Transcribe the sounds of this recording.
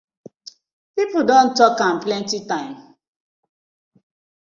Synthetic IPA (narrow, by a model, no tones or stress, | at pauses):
pipʊdõntɔkãmplɛ̃ntitãɪ̃m